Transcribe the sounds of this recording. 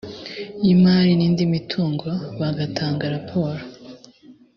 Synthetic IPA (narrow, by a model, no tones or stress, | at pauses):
imaːɾiniːndimitʰuːŋɡo̞βaɡatʰaːŋɡaɾapʰo̞ːɾo